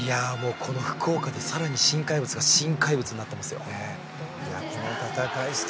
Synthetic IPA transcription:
ijamo̞ːkʰo̞no̞ɸɯ̟̥kʰo̞ːkad̪e̞saɾaɲ̟iɕĩŋkaibɯ̟t͡sɨɡaɕĩŋkaibɯ̟t͡sɨɲʲinat̪ːemasɨjo̞̰e | jakonot̪at̪akai̥t̪

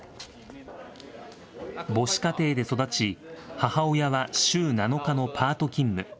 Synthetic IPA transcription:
bo̞ɕi̥kat̪e̞ːd̪e̞so̞d̪at͡ɕihahao̞jaβaɕɨːnano̞kano̞pʰaːt̪o̞kʲĩmːɯ̟

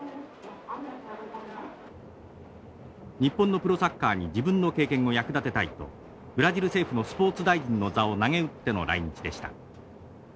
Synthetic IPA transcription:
ɲ̟ipːonːo̞pɯ̟ɾo̞sakːaːɲ̟id͡ʑibɯ̟̃nːo̞ke̞ːkẽ̞ŋ̃o̞jakɯ̟d̪at̪e̞t̪ait̪o̞̰ | b̥ɯ̟ɾaʑiɾɯ̟se̞ːɸɯ̟no̞sɨ̥po̞ːt͡sɨd̪aiʑĩnːo̞zaonaŋe̞ɯ̟t̪ːe̞no̞̰ɾa̰iɲ̟it͡ɕid̪e̞ɕi̥t̪a̰

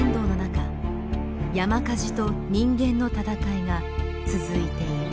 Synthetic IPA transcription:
nd̪o̞ːno̞naka | jamakaʑi̥t̪o̞ɲ̟ĩŋɡẽ̞nːo̞t̪at̪akaiŋa | t͡sɨzɨit̪e̞

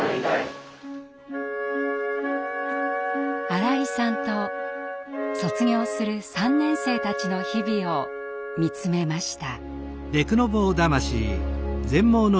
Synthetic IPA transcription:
aɾaisãnt̪o̞ | so̞t͡sɨɡʲo̞ːsɨɾɯ̟sãnːẽ̞ɰ̃se̞ːt̪at͡ɕino̞çibʲio̞ | mʲit͡sɨme̞maɕi̥t̪a | d̪e̞kɯno̞bo̞ːd̪amaɕḭzẽ̞mːo̞ːno

